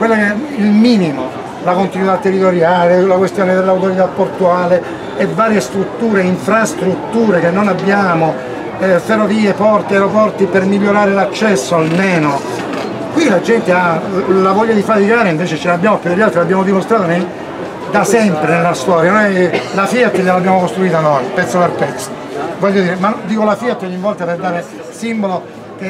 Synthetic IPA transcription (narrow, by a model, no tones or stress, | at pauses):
kwelːakɛilmiːnimo | lakont̪inwit̪at̪ːerːit̪oɾjaːlelakwest̪joːned̪elːawt̪oɾit̪apːort̪uaːle | evːaːɾjest̪ɾut̪ːuːɾeiɱfɾast̪ɾut̪ːuːɾekenːonabːjaːmo | ferːoviːepɔrt̪iajɾopɔrt̪ipermiʎːoɾaːɾelat͡ʃːɛsːoalmeːno | kwilad͡ʒɛnt̪ealavɔʎːad̪ifat̪ikaːɾeiɱveːt͡ʃet͡ʃelabjaːmopjud̪eʎːalt̪ɾilabːjaːmod̪imost̪ɾaːt̪one | d̪asɛmpɾenelːast̪ɔːɾjanojlafiat̪ːʎelabjaːmokost̪ɾuiːt̪anojpɛt̪sːoperpɛt̪sːovɔʎːod̪iːɾemand̪iːkolafiat̪ːɔɲːivɔlt̪aperd̪aːɾe | simbolo | ke